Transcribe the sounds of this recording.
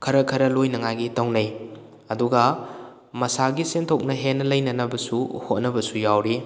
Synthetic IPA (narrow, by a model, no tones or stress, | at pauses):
kʰɐɾɐkʰɐɾɐlojnɐŋajɡitɐwnɐj | ɐduɡɐ | mɐsaɡisentʰok̚nɐɦenːɐlɐjnɐnɐbɐsuhot̚nɐbɐsujawɾi